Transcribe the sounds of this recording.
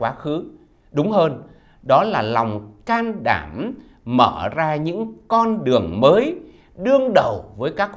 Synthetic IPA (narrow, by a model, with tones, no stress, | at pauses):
waː˨˦xɨ˨˦ | ɗʊ˨˦ŋ͡mhəː˧n | ɗɔ˨˦laː˨˩la˨˩wŋ͡mkaː˧nɗa̰ː˧˩m | məː˧˩zaː˧ɲɨ̰˧˥ŋkɔ˧nɗɨ˨˩əŋməː˨˦j | ɗɨ˧əŋɗə˨˩wvəː˨˦jkaː˦˥k̚